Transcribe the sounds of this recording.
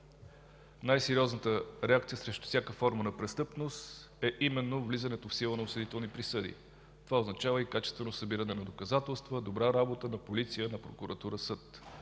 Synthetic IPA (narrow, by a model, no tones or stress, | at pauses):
najsɛɾiɔznət̪əɾɛak̚t̪siəsɾɛʃt̪ʊ̥fsʲjakəfɔɾmənɐpɾɛst̪ɤpnost̪ | ɛʔimɛnːovlizənɛt̪ofsilˠənɐʊsəd̪it̪ɛlˠnipɾisɤd̪ḭ | t̪ovaoznɐt͡ʃavəikat͡ʃɛst̪vɛnosəbiɾənɛnɐd̪okɐzat̪ɛlˠst̪vəd̪obɾaɾabot̪ənɐpolit̪sijənɐpɾokuɾɐt̪uɾəsɤt̪